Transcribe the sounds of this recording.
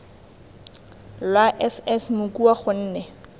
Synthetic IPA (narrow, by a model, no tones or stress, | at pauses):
lwaʔɛsɛsmʊkuaχʊn̩ːnɛ